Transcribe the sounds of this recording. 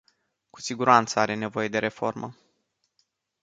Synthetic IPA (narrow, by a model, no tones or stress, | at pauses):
ku̥siɡuɾant̪səaɾe̞ne̞vo̞je̞d̪e̞ɾe̞fo̞̰rmə̰